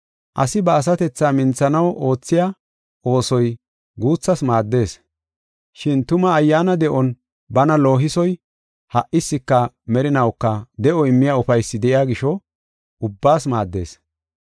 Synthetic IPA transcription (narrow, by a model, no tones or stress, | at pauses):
ʔɐ̰sɪbɐːs̬ɐt̪ɛt͡sːaːmɪnt͡sːɐnɐwʔo̞ːt͡sːɪja | o̞ːsɔj | ɡuːt͡sːɐsmaːd̪ːe̞ːs | ʃɪnt̪ʊmɐːjːaːnɐd̪ɛʔɔn | bɐnɐlo̞ːɦɪsɔj | hɐʔʔɪsːɪkːɐ | mɛɾɪnɐwkːɐd̪ɛʔɔɪmːɪjaʊfɐjsːɪd̪ɛʔɪjaːɡɪʃɔ | ʊbːaːsmaːd̪ːe̞̰ːs